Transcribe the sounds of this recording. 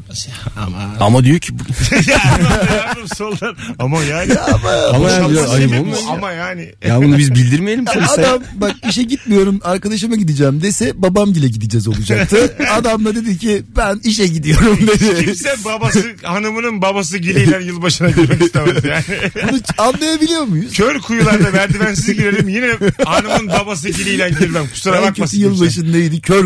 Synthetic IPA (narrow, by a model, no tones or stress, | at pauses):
amad̪ijocʰibu | msolˠaɾamajaːmaamajaːnajɯolˠmaaamajaːnɪ | jabunubizbilʲd̪iɾmelʲimʰonad̪ambak̚iʃ̬ɛɟit̪mijo̞ɾumaɾkad̪aʃɯmaɟid̪id͡ʒɛːmd̪esɛbabamɟilʲɛɟid̪id͡ʒɛzo̞lˠud͡ʒaak̚t̪ʰɯad̪amlad̪e̞d̪icʰibæniʃ̬ɛɟid̪ijo̞ɾumd̪ed̪ɪimsɛbabasɯhanɯmɯnɯnbabas̬ɯɟilʲijlʲænjɯlˠbaʃɯnaɟiazjabunuanlˠajabilʲijo̞ɾmujuzcʰøɾkʰujullˠaɾd̪avæɾd̪ibænsizɟiɾelʲiimjinɛhanɯmmɯnbabas̬ɯɟilʲijlʲænɟiɾbænkʰu̥suɾabacʰesijɯlˠbaʃɯnnejd̪ɪcʰøɾ